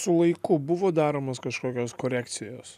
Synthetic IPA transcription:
sʊlˠɐɪkʊbʊʋoːd̪ɑːɾoːmoskɐʃkoːkʲoːskoːɾʲæːkt̪sʲɪjoːs

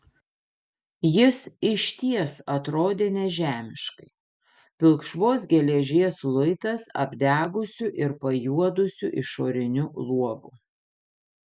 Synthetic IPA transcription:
jɪsɪʃʲt̪ʲiɛsɐt̪ɾoːd̪ʲeːnʲɛʒʲæːmʲɪʃkɐɪ | pʲɪlˠkʃʋoːs̬ɡʲɛlʲɛʒʲiɛslˠʊɪt̪ɐsɐ̰bʲd̪ʲæːɡʊsʲʊʔɪɾpɐjuɔd̪ʊsʲʊʔɪʃoːɾʲɪnʲʊlˠuɔbʊ

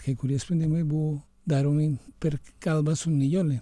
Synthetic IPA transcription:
kekuɾjespend̪imebu | d̪aɾoŋipeɾkalbasunijole

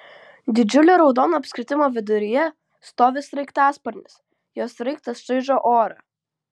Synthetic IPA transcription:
d̪ʲɪd͡ʒʲʊlʲoːɾɒʊd̪oːnoːɐpʲsʲkʲɾʲɪt̪ʲɪmoːʋʲɪd̪ʊɾʲɪjɛ | st̪oːʋʲɪsɾɐɪkt̪ɑːspɐɾʲnʲɪs | joːsɾɐɪkt̪ɐsʒɐɪʒoːʔoːɾɐ

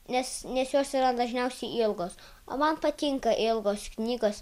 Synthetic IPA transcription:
nʲɛsnʲɛsjoːsiːɾɐd̪ɐʒʲnʲɛʊsʲɛɪʔɪlˠɡoːs | o̰ːmɐnpɐt̪ʲɪŋkɐʔɪlˠɡoːsknʲiːɡoːs

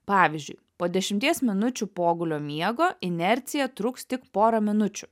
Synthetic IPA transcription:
pɑːʋʲɪzʲd͡ʒʲʊɪ | poːd̪ʲɛʃʲɪmʲt̪ʲiɛsmʲɪnʊt͡ʃʲʊpoːɡʊlʲoːmʲiɛɡoːʔɪnʲɛɾʲt̪sʲɪjɛt̪ɾʊkst̪ʲɪkpoːɾɐmʲɪnʊt͡ʃʲʊ

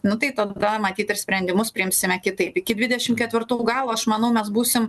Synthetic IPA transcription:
nʊt̪ɐɪt̪ɐd̪ɐmɐt̪ʲiːt̪ɪɾsʲpʲɾʲɛnʲd̪ʲɪmʊspʲɾʲɪɪmʲsʲɪmʲɛkʲɪt̪ɐɪpɪkʲɪd̪ʲʋʲɪdʲɛʃʲɪmkʲɛt̪ʲʋʲɪrt̪uːɡɑːlˠuːɐʃmɐnɐʊmʲɛsbuːsʲɪm

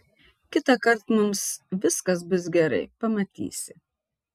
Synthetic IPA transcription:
kʲɪt̪ɐkɐɾt̪mʊmsʋʲɪskɐs̬bʊs̬ɡʲɛɾɐ̰ɪpɐmɐt̪ʲḭːsʲɪ

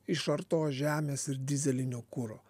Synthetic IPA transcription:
ɪʃɐɾt̪oːsʒʲæːmʲeːsɪɾd̪ʲɪzʲɛlʲɪnʲoːkʊɾoː

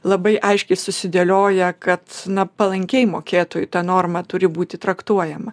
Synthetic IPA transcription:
lˠɐbɐɪʔɐɪʃʲkʲɛɪsʊsʲɪd̪ʲeːlʲoːjɛkɐt̪nɐpɐlˠɐŋʲkʲɛɪmoːkʲeːt̪oːjʊt̪ɑnoːrmɐt̪ʊɾʲɪbuːt̪ʲɪt̪ɾɐkt̪uɔjɛmɐ

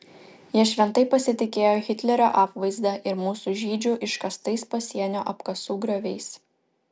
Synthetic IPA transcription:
jiɛʃʲʋʲɛnt̪ɐɪpɐsʲɪt̪ʲɪkʲeːjoːxʲɪt̪ʲlʲɛɾʲoːʔɑːpʋɐɪzd̪ɐʔɪɾmuːsuːʒʲiːd͡ʒʲʊʔɪʃkɐst̪ɐɪspɐsʲiɛnʲoːʔɐpkɐsuːɡɾʲoʋʲɛɪs

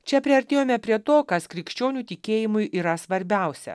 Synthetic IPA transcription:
t͡ʃʲɛpʲɾʲiɐɾʲt̪ʲeːjoːmʲɛpʲɾʲiɛt̪oːkɐskɾʲɪkʃʲt͡ʃʲoːnʲuːt̪ʲɪkʲeːjɪmʊjʔiːɾɐsʋɐɾʲbʲæˑʊsʲɛ̰

